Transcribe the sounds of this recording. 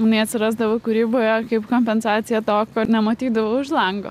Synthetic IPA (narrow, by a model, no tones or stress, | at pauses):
mɐnɐɪɐt̪sʲɪɾɑːzd̪ɐʋokʊɾʲiːboːjokɐɪpkoːmʲpʲɛnsɑːt̪sʲɪjɛt̪oːkoːnʲɛmɐt̪ʲiːd̪ɐʋoʊʃlˠɐŋɡo̰